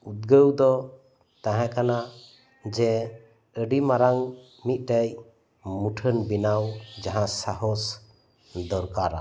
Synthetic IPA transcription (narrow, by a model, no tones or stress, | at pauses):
ut̪̚ɡəwd̪ɔ | t̪ãɦãkana | d͡ʒɛ | əɖimaɾaŋ | mit̪̚ˀʈaj | muʈʰənbinawd͡ʒaɦãsaɦɔs | d̪ɔɾkaɾa̰